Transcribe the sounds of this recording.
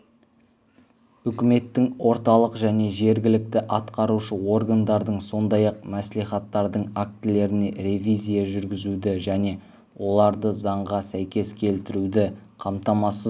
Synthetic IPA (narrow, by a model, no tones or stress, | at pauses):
ʏkʲɪme̞t̪ːɪŋwo̞ɾt̪ɑlˠəqʒæne̞ʒe̞ɾɡʲɪlɪk̚t̪ɪʔɑt̪qɑɾuʃəwo̞rɡand̪ɑɾd̪əɴso̞nd̪ɑjɑqmæsliχɑt̪ːɑɾd̪əɴak̚t̪ɪle̞ɾɪne̞ɾe̞vʲizʲijaʒʏɾɡʲɪzud̪ɪʒæne̞ | wo̞lˠɑɾd̪əzɑɴʁɑsæjkʲe̞skʲʰe̞lt̪ɪɾud̪ɪqʰɑmt̪ɑmɑsəz